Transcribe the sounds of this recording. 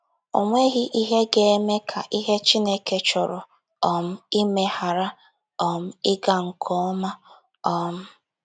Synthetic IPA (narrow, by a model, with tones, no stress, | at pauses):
o̰˨ŋʷe˦ɣi˦ʔi˦ɦe˦ɡe˦e˦me˦kʰa˨ʔi˦ɦe˦t͡ʃi˦ne˦ke˦t͡ʃɔ˨ɾɔ˨ | ɔ˨m̩˦i˦me˦ha˨ɾa˦ | ɔ˨m̩˦ɪ˦ɡa˨ŋ̩˨kʰɔ˦ɔ˦ma˦ | ɔ˨m̩˦